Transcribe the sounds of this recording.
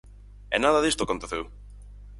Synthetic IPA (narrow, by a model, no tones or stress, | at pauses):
ɛ̰naðaðist̪okont̪oθew